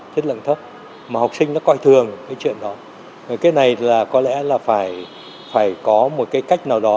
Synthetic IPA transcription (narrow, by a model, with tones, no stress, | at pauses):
t͡ɕʰə˦˥t̚lə̰˧˨nt̪ʰə˦˥t̚ | maː˨˩ha˨˩wk͡p̚sï˧ŋnɔ˨˦kɔ˧jt̪ʰɨ˨˩əŋkaː˨˦jt͡ɕwḭ˧˨ənɗɔ˨˦˨ | kaː˨˦jna˨˩jlaː˨˩kɔ˨˦lɛ̰˧˥laː˨˩faː˧˩j | faː˧˩jkɔ˨˦mo˨˩t̚kaː˨˦jka˦˥jk̟̚naː˨˩wɗɔ˨˦